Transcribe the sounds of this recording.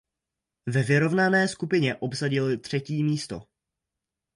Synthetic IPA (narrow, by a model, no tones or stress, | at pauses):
vɛvɪɾo̞vnanɛːskupɪɲɛʔo̞bsaɟɪlɪt̪r̝̥ɛciːmiːst̪o̞̰